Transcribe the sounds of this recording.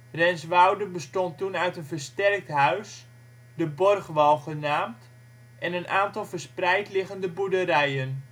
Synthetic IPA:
rɛnsʋawdəbəstɔntunœɥtənvərstɛrk̚tɦœɥs | dəbɔrχʋɑlˠχənaːmt | ʔɛnənʔaːntɑlˠvərsprɛjtlɪɣəndəbudəɾɛjən

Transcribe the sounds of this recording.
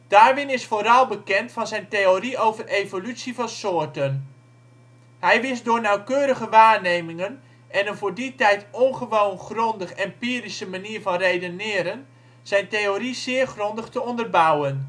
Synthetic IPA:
d̥aːrʋɪnɪsfoːɾɑlˠbəkɛntfɑnzɛjntejoriowvərʔejvolytsivɑnsʊːɹtən | ɦɛjʋɪsdʊːɹnawkøːɾəɣəʋaːɹnejmɪŋən | ɛnənvʊːɹditɛjtɔnχəʋownχrɔndəχɛmpiːrisəmaniːɹvɑnrejdənɪːɾən | z̥ɛjntejorizɪːərχrɔndəχtəɔndərbʌwən

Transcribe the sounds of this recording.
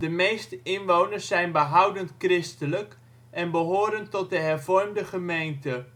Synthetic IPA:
dəmejstəɪnʋownərsːɛjnbəɦʌwdəntkrɪstələk | ʔɛnbəɦoːɾəntɔt̚dəɦɛrvɔrmdəχəmejntə

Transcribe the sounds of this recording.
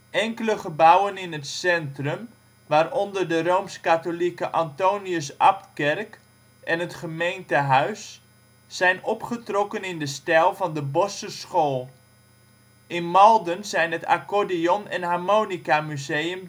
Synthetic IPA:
ʔɛŋkələχəbawənɪnətsɛntrəm | ʋaːrɔndərdərowmskatolikəʔɑntowniəsɑp̚tkɛrk | ʔɛnɦətχəmejntəɦœɥsː | ɛjnɔpχətrɔkənɪndəstɛlˠvɑndəbɔsəsχoːlˠ | ʔɪnmɑlˠdənzɛjnɦəta̰kodiɔnɛ̰nɦarmownikamyzejəm

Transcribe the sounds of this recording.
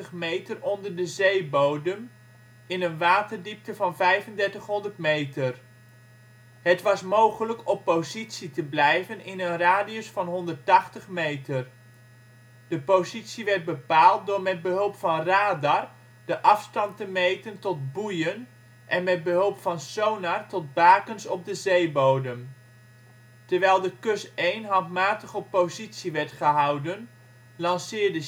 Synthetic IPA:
əχmejtərɔndəɹdəzejbowdəm | ɪnənʋaːtəɹdip̚təvɑnvɛjvəndɛɹtəχɦɔndərtmejtər | ɦətʋɑsmowχələkɔpozitsitəblɛjvənɪnənraːdiosfɑnɦɔndərtɑχtəχmejtər | d̥əpozitsiʋɛɹd̚bəpaːlˠt̚dʊːɹmɛd̚bəɦɵlˠpfɑnraːdɑr | d̥əʔɑfstɑntəmejtəntɔd̚bujən | ʔɛnmɛd̚bəɦɵlˠpfɑnsownatɔd̚baːkənsɔb̚dəzejbowdəm | təɹʋɛjlˠdəkɵsejnɦɑtmaːtəχəpozitsiʋɛɹtχəɦʌwdən | lɑnsɪːɹdə

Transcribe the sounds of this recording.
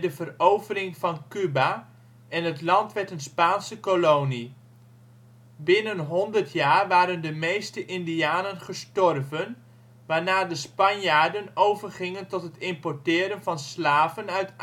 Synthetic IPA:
dəvərowvərɪŋvɑnkyba | ɛnɦətlɑntʋɛɹtənspaːnsəkolowni | bɪnənɦɔndəɹtʰjaːɹʋaːɾəndəmejstəʔɪndiaːnənχəstɔrvən | ʋaːɹnaːɹdəspɑnjaːɹdənowvərχɪŋəntɔtɦətɪmpɔɹtɪːɾənvɑnslaːvənœɥt

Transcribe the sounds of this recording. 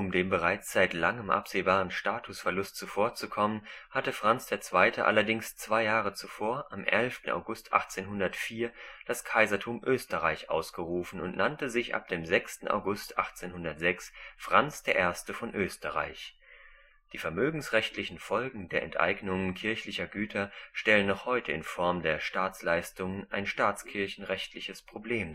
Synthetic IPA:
ʔʊmdeːmbəʁaɪt͡sz̥aɪtlaŋəmʔa̰pz̥eːbaːʁənʃtaːtʰʊsfɛɐlʊstt͡sufoːɐt͡sukʰɔmənhatəfʁ̥ant͡sd̥eːɐt͡sv̥aɪtʰəʔa̰lɐdɪŋst͡sv̥aɪjaːʁ̞ət͡sufoːɐʔamʔɛlftn̩ʔa̰ʊɡʊstʰʔa̰χt͡seːnɦʊndɐtfiːɐd̥askʰaɪzɐtʰuːmʔøːstəʁaɪçʔa̰ʊsɡ̥əʁuːfn̩ʊntnantəzɪçʔa̰p̚d̥eːmzɛkstn̩ʔa̰ʊɡʊstʔa̰χt͡seːnhʊndɐtz̥ɛksfʁ̥ant͡sd̥eːɐʔeːɐstəfɔnʔøːstəʁa̰ɪç | d̥iːfɛɐmøːɡŋ̩sʁɛçtlɪçn̩fɔlɡŋ̩deːɐʔɛ̰ntʔa̰ɪɡnʊŋənkʰɪɐçlɪçɐɡyːtʰɐʃtɛlənːɔχhɔʏtʰəɪ̰nfɔɐmdeːɐʃtaːt͡slaɪstʊŋənʔaɪnʃtaːt͡skʰɪɐçn̩ʁɛçtʰlɪçəspʁ̥obleːm

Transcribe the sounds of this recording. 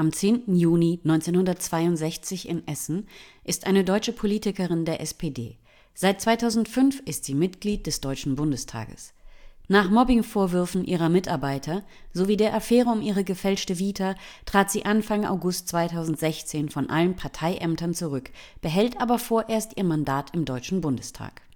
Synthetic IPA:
ʔamt͡seːntn̩juːninɔʏnt͡seːnhʊndɐtt͡sv̥aɪʊntz̥ɛçt͡sɪçɪ̰nʔɛsn̩ʔɪstʔaɪnədɔʏt͡ʃəpʰoliːtɪkəʁɪndeːɐʔɛspʰeːdḛː | z̥aɪt̚t͡svaɪtʰaʊzn̩tfʏnfʔɪstz̥iːmɪtɡ̥liːt̚d̥ɛsd̥ɔʏt͡ʃn̩bʊndəstʰa̰ːɡə̰snaːχmɔbɪŋfoːɐvʏɐfn̩ʔiːʁɐmɪtʔaɐbaɪtʰɐ | zoviːdeːɐʔafɛːʁəʊmʔiːʁəɡəfɛlt͡ʃtəviːtʰɐtʁ̥aːtz̥iːʔanfaŋʔa̰ʊɡʊstt͡sv̥aɪtʰaʊzn̩tz̥ɛçt͡seːnfɔnʔalənpʰaɐtʰaɪʔɛmtɐnt͡suʁʏkb̥əɦɛltʔaːbɐfoːɐʔeːɐstʔiːɐmandaːtʰɪmdɔʏt͡ʃn̩bʊndəstʰa̰ːk

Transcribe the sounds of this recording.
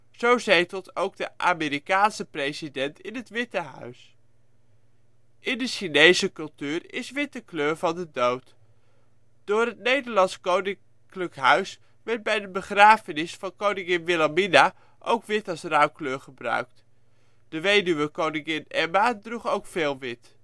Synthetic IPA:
z̥owzejtəlˠtowɡ̚dəʔaːmɪːɾikaːnsəprejzidɛntɪnɦətʋɪtəɦœ̰ɥs | ʔɪndəʃinejzəkɵlˠtyːrɪ̰sʋɪtəkløːɹvɑndədowt | d̥ʊːrətnejdəɹlɑnskownɪŋ | kləkɦœɥs | ʋɛɹt̚bɛjdəbəχraːfənɪsfɑnkownɪŋɪnʋɪlamina | ʔo̰wkʋɪtɑsrawkløːɹχəbrœ̰ɥk̚t | d̥əʋejdyʋəkownɪŋɪnɛmadruχowkfeːlˠʋɪt

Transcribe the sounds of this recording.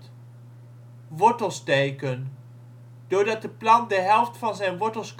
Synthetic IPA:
ʋɔɹtəlˠstejkən | d̥ʊːɹdɑt̚dəplɑndəɦɛlˠftfɑnzɛjnʋɔɹtəlˠsk

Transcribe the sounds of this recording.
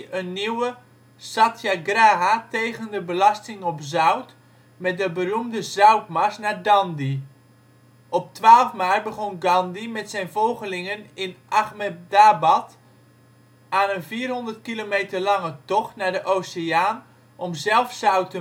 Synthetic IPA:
ənːiwə | satjaɡraːɦatejɣəndəbəlɑstɪŋɔpzœwt | mɛt̚dəbərumdəzœwtmasnaːɹdɑndi | ɔp̚tʋaːlˠfmaːrbəχɔnɡɑndimɛtsɛjnvolˠχəlɪŋənɪnʔaχmɛtdabɑt | aːnənviːrɦɔndərt̚kilomejtərlɑŋətɔχtnaːɹdəʔowseaːn | ʔɔmzɛlˠfsœwtə

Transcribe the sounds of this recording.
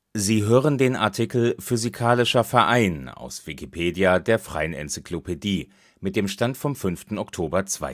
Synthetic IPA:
ziːɦøːʁəndeːnʔa̰ɐtʰikl̩fyzikʰaːlɪʃɐfɛɐʔaɪna̰ʊsv̥ikipʰeːdjadeːɐfʁ̥a̰ɪənɛ̰nt͡si̥kʰlopʰediː | mɪt̚d̥eːmʃtantfɔmfʏnftn̩ɔktʰoːbɐt͡sv̥a̰ɪ

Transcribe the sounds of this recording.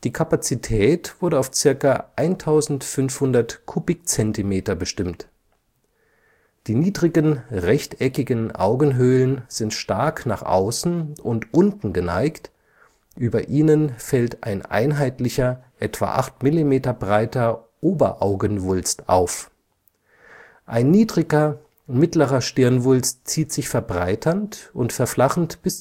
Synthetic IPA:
d̥iːkʰapat͡sitʰɛːtv̥ʊɐɾəaʊft͡sɪɐkaʔaɪntʰaʊzn̩tfʏnfhʊndɐtkʰʊpɪk̚t͡sɛntimeːtɐbəʃtɪmt | d̥iːniːdʁɪɡənʁɛçtʔɛkɪɡənʔa̰ʊɡən̩ɦøːlənz̥ɪntʃtaɐkna̰ːχʔa̰ʊsn̩ʊntʔʊntn̩ɡəna̰ɪkt | ʔyːbɐʔiːnənfɛltʔa̰ɪnʔa̰ɪnɦaɪtlɪçɐʔɛtv̥a̰ːʔa̰χtmɪlimeːtɐbʁaɪtɐ | ʔoːbɐ̰ʔaʊɡənvʊlstʔa̰ʊf | ʔaɪnːiːdʁɪɡɐ | mɪtləʁɐʃtɪɐnvʊlstt͡siːtz̥ɪçfɛɐbʁaɪtʰɐntʔʊntfɛɐflaχn̩tb̥ɪs

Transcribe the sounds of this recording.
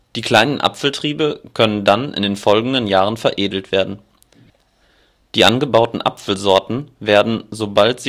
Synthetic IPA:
d̥iːkʰl̥aɪnənʔa̰pfl̩tʁ̥iːbəkʰœnəndanɪ̰ndeːnfɔlɡŋ̩dənjaːʁənfɛɐʔeːdl̩tv̥eːɐdn̩ | d̥iːʔa̰nɡəbaʊtn̩ʔa̰pfl̩zɔɐtn̩veːɐdn̩zobaltz̥iː

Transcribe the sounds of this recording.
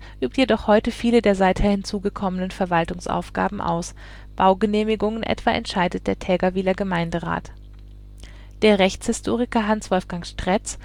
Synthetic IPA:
ʔyːp̚tjedɔχhɔʏtəfiːlədeːɐzaɪtheːɐhɪnt͡suːɡəkʰɔmənənfɛɐvaltʊŋsʔa̰ʊfɡ̥a̰ːbm̩ʔa̰ʊs | b̥aʊɡəneːmɪɡʊŋənʔɛ̰tv̥aːʔɛ̰ntʃaɪdət̚d̥eːɐtʰɛːɡɐviːlɐɡəmaɪndəʁa̰ːt | d̥eːɐʁɛçt͡shɪstʰoːʁ̞ɪkɐɦansv̥ɔlfɡ̥aŋʃtʁ̥ɛt͡s

